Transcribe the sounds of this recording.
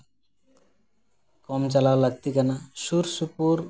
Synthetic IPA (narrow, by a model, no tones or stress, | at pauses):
kɔmt͡ʃalaolaɡ̚t̪ikanaʃuɾsupuɾ